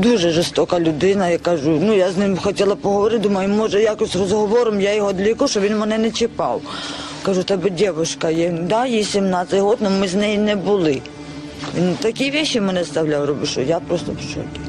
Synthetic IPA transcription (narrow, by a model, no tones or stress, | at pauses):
d̪uʒɛʒɪst̪ɔkɐlʲʊd̪ɪnɐjakaʒʊnujaznɪmxɔtʲɛlˠɐpɔɦɔʋɔɾɪt̪ʲd̪umɐjʊmɔʒɛjakɔsʲrɔzɦɔʋɔɾʊmjajɔɦɔd̪lʲikuʃɔʋʲinmɛnɛnɛt͡ʃɪpɑ̰w | kɐʒut̪ɛbɪdʲɛʋʊʃkɐjɛd̪ɑjisʲimnɑt̪sʲɐjɦɔd̪nɔmɪznɛjinɛbʊlˠɪ | ʋʲint̪ɐkʲiʋʲɛʃːimɛnɛst̪ɐwlʲawrɔbɪʃɔ̰japɾɔst̪ɔpt͡ʃɔ̰d̪ʲɪ